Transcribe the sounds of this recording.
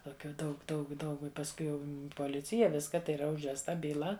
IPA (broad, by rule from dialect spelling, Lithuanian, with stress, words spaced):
toːˈkʲuː ˈdɐʊk ˈdɐʊk ˈdɐʊk ɪ pɐsˈkʊɪ jɛʊ poːˈlʲɪt͡sʲɪjɛ ˈʋʲɪskɐ tɐɪ iːˈrɐ ʊʒʲʋʲɛsˈtɐ bʲiːˈlˠɐ